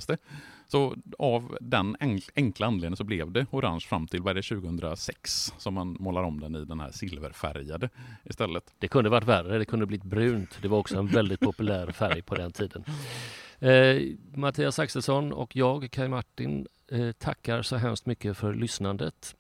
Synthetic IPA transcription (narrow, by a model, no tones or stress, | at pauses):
st̪əsɔavd̪ɛnɛŋklaandleːd̪ə̃sɔblɛvd̪ɛʊɾa̰nʂfɾamːt̪ʰɪlvaɾɛɾɛɕʉ̟ːɡəhɵnd̪ɾa̰sɛkssɔmːanmoːlaɾɔmd̪ɛnɪd̪ɛnhæ̰ːsɪlvə̰ɾfæ̰ɾjad̪əɪst̪ɛlːət̪d̪̥ɛkʰɵnd̪əvaʈːværəd̪ɛkʰɵnəblɪbɾʉ̟ːnt̪d̪ɛvaɾɔksɔɛnvɛld̪ɪt̪̚pʰɔpɵlæːɾfæɾjpʰɔd̪ɛnt̪ʰiːd̪ən | mat̪ʰiːasaksəsɔnɔ̰kʰjɑːɡkʰːajmaʈːɪn | t̪ʰakːaɾʂɔɦɛmst̪mʏkːəfœɾɭʏsnand̪ə̰t̪